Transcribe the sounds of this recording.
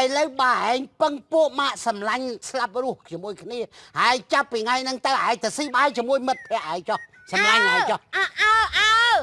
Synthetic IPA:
jləwɓaːʔaɛɲpəŋpuəʔmaːʔsɑmlaɲslap̚ruəht͡ɕiəmuəjkʰniəʔaɛɲt͡ɕapːiːŋajnɨŋt̪ɨwʔaɛɲt̪əsiːɓaːjt͡ɕiəmuəjmɨt̪̚pʰːɛ̆əʔaɛŋt͡ɕoh | sɑmlaɲaːt͡ɕɑhʔaʔa

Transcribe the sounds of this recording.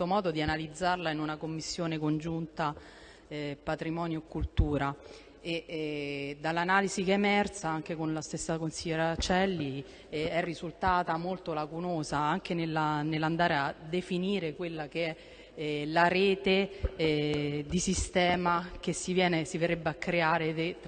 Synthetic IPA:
omɔːd̪od̪ianalid̪zːarlainunakomːisːjoːnekond͡ʒunt̪a | pat̪ɾimɔːnjokːult̪uːɾa | e | d̪alːanaːlizikeemɛrt̪saaŋk̟ekonlast̪esːakonsiʎːeɾat͡ʃɛlːi | ɛrːizult̪aːt̪amolt̪olakunoːzaaŋk̟enelːanelːand̪aːɾead̪ːefiniːɾekwelːak̟eɛ | laɾɛːt̪e | d̪isist̪ɛːmak̟esːivjɛːnesiveɾebːeakːɾeaːɾee

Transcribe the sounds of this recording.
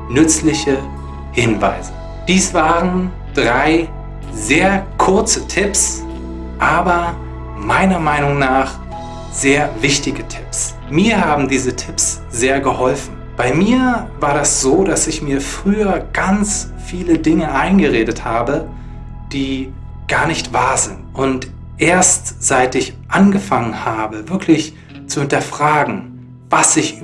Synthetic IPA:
nʏt͡slɪçə | hɪnva̰ɪzə | d̥iːsv̥aːʁən | d̥ʁaɪ | zeːɐkʰʊɐt͡sətʰɪps | ʔaːbɐ | maɪnɐmaɪnʊŋnaːχ | z̥eːɐvɪçtɪɡətʰɪps | miːɐɦaːbm̩diːzətʰɪps | z̥eːɐɡəhɔlfn̩ | b̥aɪmiːɐvaːɐdasz̥oːdasɪçmiːɐfʁ̥yːɐɡ̥ant͡s | fiːlədɪŋəʔaɪnɡəʁeːdəthaːbə | d̥iː | ɡ̥aːɐnɪçtv̥aːɐzɪntʔʊnt | ʔeːɐstz̥aɪtɪçʔanɡəfaŋənhaːbəvɪɐklɪç | t͡suhɪntɐfʁ̥aːɡŋ̩ | vasɪç

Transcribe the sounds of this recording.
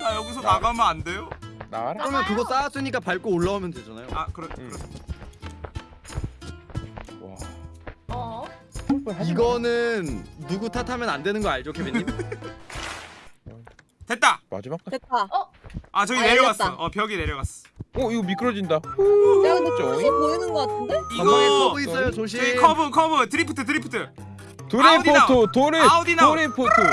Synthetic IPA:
ajʌɡis̬ʰʌnaɡamʌande̞jonakɯɾʌmjʌnkɯɡʌs͈aːs͈ɯɲik͈apaɭk͈oːɭːaumjʌndwe̞d͡ʑanajoakɯɾʌkɯɾ | wa̰ | iɡʌnɯnːuɡutʰatʰamjʌnandwe̞nɯnɡʌaɭd͡ʑokʰebiɲi | twet̚t͈ama̰d͡ʑimaet͈̚a | at͡ɕʌɡineɾjʌwwas͈ʌʔʌpjʌɡine̞ɾjʌwas͈ʌ̥ | ʌiɡʌmik͈ɯɾʌd͡ʑindaoet͡ɕopoinɯnɡʌk͈atʰɯndeiɡʌois͈ʌjosoɕ̬ʰt͡ɕʌɡikʰʌbɯkʰʌbɯtɯɾipʰɯ̥tʰɯt̬ʰɯɾipʰɯ̥tʰɯ | toɾdaotoɾɯaodinaoɾipʰotʰo

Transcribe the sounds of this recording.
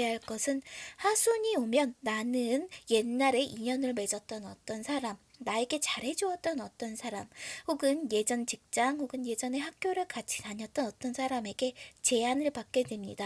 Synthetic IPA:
eɦaɭk͈ʌsʰɯnhasʰuɲiomjʌnːanɯnje̞nːaɾe̞ʔiɲʌnɯɭme̞d͡ʑʌt̚t͈ʌnʌ̰t͈ʌnsʰaɾamnae̞ɡe̞t͡ɕaɾɦe̞d͡ʑuʌt͈̚ʌnʌt͈ʌnsʰaɾamhoɡɯnje̞d͡ʑʌnt͡ɕik̚t͡ɕ͈aŋhoɡɯnje̞d͡ʑʌne̞ɦak̚k͈joɾɯɭkat͡ɕʰi̥taɲʌt͈̚ʌnʌt͈ʌnsʰaɾame̞ɡe̞t͡ɕe̞anɯɭpak̚k͈e̞dwe̞mɲida

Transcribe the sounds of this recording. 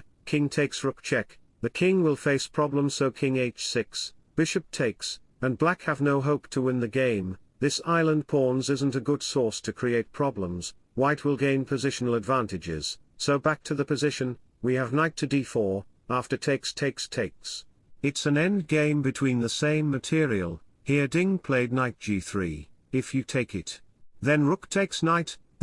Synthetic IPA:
kʰɪ̃ŋtʰeɪksɹʊk̚t͡ʃʰɛk | ðɨkʰɪ̃ŋwɪlˠfeɪspʰɹ̥ɑblə̃mz̥soʊkʰɪ̃ŋeɪt͡ʃsɪksb̥ɪʃɨp̚tʰeɪks | ɨ̃nblækhɨvnoʊɦoʊp̚tʰəwɪ̃nðɨɡẽɪ̃m | ðɪsaɪlˠə̃npʰɔɹnzɪzn̩tɨɡʊd̥sɔɹstʰɨkʰɹ̥ieɪt̚pʰɹ̥ɑblə̃mz̥ | waɪt̚wəlˠɡẽɪ̃npʰɨzɪʃn̩l̩ˠədvæ̃ntɨd͡ʒɪ̰z̥soʊbæk̚tʰɨðɨpɨzɪʃɨ̃n | wiɨvnaɪtʰɨdifə˞ | æftə˞tʰeɪkstʰeɪkstʰeɪks | ɨtsɨ̃nɛ̃ndɡẽɪ̃mbɨtʰw̥ĩnðɨsẽɪ̃mːɨtʰɪɹiə̰l̩ˠ | hiɹdɪ̃ŋpʰl̥eɪdⁿnaɪt̚d̥ʒ̥iθɹḭ | ɪfjɨtʰeɪkɪtðɨ̃nɹʊktʰeɪksnaɪt

